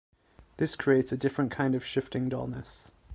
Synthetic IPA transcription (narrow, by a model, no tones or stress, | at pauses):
ðɪskʰɹ̥ieɪtsədɪfɹə̃nkʰãɪ̃ndəv̥ʃɪftɪ̃ŋdɔ̰lˠnə̰s